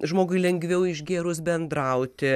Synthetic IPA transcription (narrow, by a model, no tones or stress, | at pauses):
ʒmoːɡʊɪlʲɛŋʲɡʲʋʲɛʊɪʒɡʲeːɾʊsbʲɛnd̪ɾɐʊt̪ʲɪ